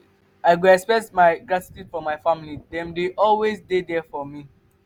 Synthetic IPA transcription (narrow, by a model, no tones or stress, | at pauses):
aɪɡoɛspɛk̚tmaɪɡɹati̥tjudfɔmaɪfãmilidɛ̃mdeʔɔlwezdedɛfɔmi